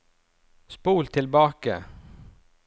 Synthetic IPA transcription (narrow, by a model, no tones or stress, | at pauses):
spuːlt̪ʰɪlbɑːkə̰